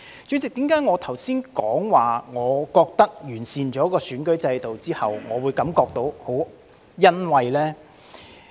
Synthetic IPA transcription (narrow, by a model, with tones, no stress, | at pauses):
t͡ʃɵ˨˧˥t͡sɪ˨k̚t̪i˨˥mkaː˨˥jŋɔː˨˧t̪ʰɐ˨˩wsiː˥nkɔː˨˥ŋwaː˨˩ŋɔː˨˧kɔː˧k̚t̪ɐ˥k̚jyː˨˩nsiː˨nt͡ʃɔː˨˥kɔː˧syː˨˥nkɵ˨˥ɥt͡sɐ˧jt̪o˨wt͡siː˥hɐ˨wŋɔː˨˧wuː˨˧jkɐ˨˧˥mkɔː˧k̚t̪o˧˥who˨˥w | jɐ˥nwɐ˨˧jlɛː˥